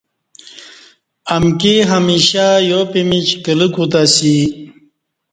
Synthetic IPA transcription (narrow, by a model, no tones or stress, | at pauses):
amkiɦamiɕajopimit͡ɕkələkut̪asi